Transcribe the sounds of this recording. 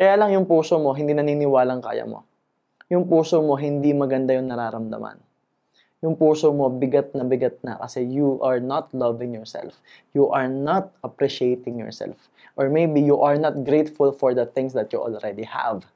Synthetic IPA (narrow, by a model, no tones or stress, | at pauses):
kɐjaːlɐŋjʊŋpuːsomo̞ɦɪnd̪iːnɐniːnɪwaːlɐŋka̰ːjɐ̰mo̰ | jʊŋpuːsomo̞ɦɪnd̪imɐɡɐnd̪ajʊŋnɐɾaːɾɐmd̪ɐ̰ma̰n | jʊŋpuːsomo̞bɪɡat̪̚nɐbɪɡɐt̪̚nɐ̰kɐsɛjuʔɐɹnat̪̚lɐvɪ̃ŋjɔɹsɛ̰lf | juʔɐɹnat̪̚ʔɐpɾiʃejt̪ɪŋjɔ̰ɹsɛ̰lf | ʔɔɹmejbijuʔɐɹnɐt̪̚ɡɾejt̪fʊlfɔɹd̪ɐθɪ̃ŋsd̪ɐt̪̚juʔo̰lɾɛd̪iha̰v